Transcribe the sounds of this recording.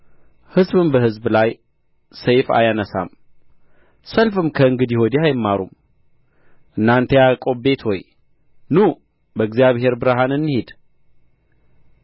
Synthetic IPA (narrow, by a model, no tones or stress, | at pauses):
hɨzβɨmbəhɨzbɨlaj | sejfa̰janəsa̰m | səlfɨmkʰəɨŋɡɨd̪jɪho̞d̪iajɪmːaɾṵm | ʔɨnːant̪ʰejakʼo̞be̞t̪ho̞j | nu | bəɨɡzijaβhe̞ɾbɨɾaɦanɨnːɨhed̪